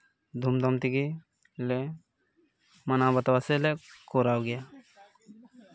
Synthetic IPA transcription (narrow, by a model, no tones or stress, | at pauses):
d̪ʱumd̪ʱəmt̪iɡi | le | mənabət̪ʋaselekoɾaːoɡɪjaː